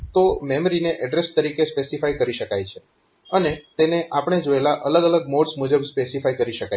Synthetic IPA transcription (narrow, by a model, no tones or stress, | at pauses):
t̪omɛmɾineʔɛɖɾest̪əɾikespesifajkəɾiʃəkajt͡ʃʰe | ənet̪eneʔapəɳ̃ed͡ʒoelaʔələɡələɡ̚moɖsmud͡ʒəbspesifajkəɾiʃəkaj